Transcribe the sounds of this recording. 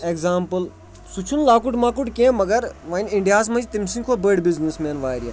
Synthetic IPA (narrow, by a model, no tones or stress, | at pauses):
ekzaːmpəl | sut͡ʃʰunlaːkuʈmaːkuʈkẽːmɐɡɐɾʋãnʲiɳɖijaːs̬mɐ̃nd͡ʒit̪imsiŋkʰoːbəɖbiznismeːnʋaːɾʲija